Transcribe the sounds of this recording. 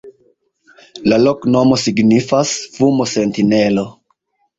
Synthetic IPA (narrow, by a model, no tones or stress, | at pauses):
lalo̞kno̞mo̞siɡnifasfumose̞ntine̞lo̞